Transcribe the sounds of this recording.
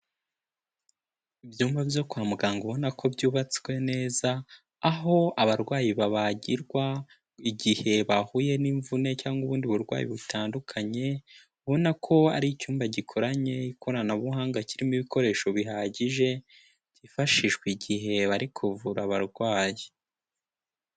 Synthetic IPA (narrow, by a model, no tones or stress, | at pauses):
ivjuːmbabjo̞kwaːmuɡaːŋɡuβo̞nakʰo̞bjuːβat͡swe̞ne̞ːzaː | ɦo̞aβaɾɡwaːjiβaβaɟiɾɡwa | iɟihe̞βahuje̞niɱvune̞caːŋɡuβuːndiβuɾɡwa̰ːjḭβutaːndukʰaɲe̞ | βo̞nakʰo̞aɾiicuːmbaɟikʰo̞ɾaɲe̞ikʰo̞ɾanaβuhaːŋɡaciɾimiβiko̞ɾe̞ːʃo̞βiɦaːɟiʒe̞ | ɟ̥ifaʃiʃweiɟiɦe̞βaɾikʰuvuɾaβaɾɡwaːji